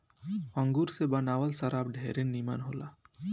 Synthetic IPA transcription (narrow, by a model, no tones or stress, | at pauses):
ɐŋɡuɾsebənawəlsɐɾab̚ɖʱeɾenːimanɦola